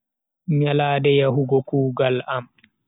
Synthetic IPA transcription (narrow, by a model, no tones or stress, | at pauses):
ɲalaːdɛjaɦuɡɔkuːɡalam